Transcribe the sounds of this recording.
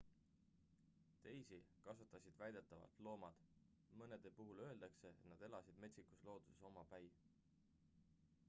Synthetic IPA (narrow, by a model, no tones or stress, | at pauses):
t̪e̞jsikɑsut̪ːˑɑsʲid̪̥væjd̪̥e̞t̪ːˑɑvɑ̰lt̪lo̞ːmɑd̪̥ | mɤne̞d̪̥e̞puɦulø̞e̞ld̪̥ɑkse̞et̪nɑd̪̥e̞lɑsid̪̥me̞t̪ʲsikuslo̞ːd̪̥useso̞mɑpæj